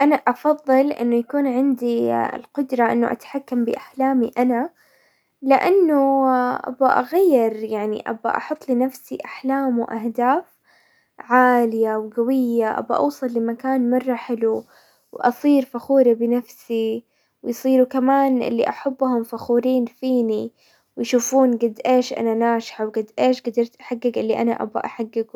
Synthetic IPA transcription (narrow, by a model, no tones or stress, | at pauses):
ʔanaʔɑfɑðˤːɨlʔɪ̰nːʊjakuːnʕɪnd̪iɪ̰lqʊd̪ɾˤɑʔɪ̰nːʊʔa̰t̪ḁħakːambɪ̰ʔaħlaːmiʔana | lɪʔanːʊʔa̰baʔa̰ɣajːɪɾjaʕnḭʔa̰ba̰ʔɑ̰ħʊt̪ˤːlɪnafsiʔaħlaːmwʔahd̪aːf | ʕaːlɪjawɡawɪjːaʔa̰ba̰ʔɑ̰wsˤɨlːɪmakaːnmɑrˤːɑħɪlu | wʔɑ̰sˤiːɾfaxuːɾibɪnafsi | wɪjsˤiːɾukamaːnʔɪ̰lːiʔaħabːhʊmfaxuːɾiːnfiːni | wjʃuːfuːnɡɪd̪ːʔeːʃʔa̰nanaːʃħawɡad̪ʔeːʃɡad̪ɑɾˤt̪ʔaħaɡːɪɡʔɪlːiʔa̰naʔa̰ba̰ʔaħaɡːɪɡ